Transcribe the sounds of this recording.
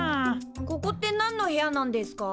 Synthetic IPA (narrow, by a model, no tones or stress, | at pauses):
kokot̪͈ːenanːohejanand̪esɯ̥ka